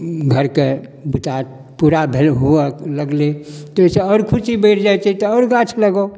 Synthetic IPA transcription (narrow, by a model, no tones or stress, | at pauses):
ɡʱəɾkebʊt̪at̪ | puɾabʱelɦuləɡlet̪ɔeseɔːɾkʰusibəɪɾʰd͡ʒajt͡ʃait̪ɔɔːɾɡãt͡ʃʰləɡo